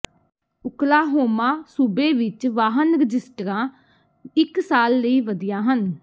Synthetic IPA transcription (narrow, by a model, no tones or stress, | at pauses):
ʊklaːɦoːmãːsuːbeːʋɪt͡ʃʋaːɦənɾɪd͡ʒɪsʈɾãː | ɪksaːlːəiːʋəd̪ɪjãːɦən